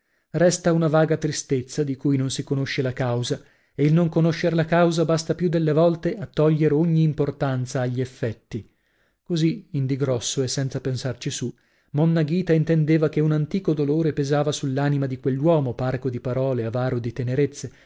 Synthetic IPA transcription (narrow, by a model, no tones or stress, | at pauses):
rɛst̪aunavaːɡat̪ɾist̪et̪sːad̪ikujnonsikonoʃːelakawza | eilnoŋkonoʃːeɾlakawzabast̪apjud̪ːelːevɔlt̪eʔat̪ːɔʎːeɾeoɲːiːmport̪ant̪saːʎːiɛfːɛt̪ːi | koziind̪iɡɾɔsːoɛsːɛnt̪sapensart͡ʃisu | monːaɡiːt̪aint̪end̪eːvakeunant̪iːkod̪oloːɾepezaːvasulːaːnimad̪ikwelːwɔːmoparkod̪ipaɾɔːleavaːɾod̪it̪eneɾet̪sːe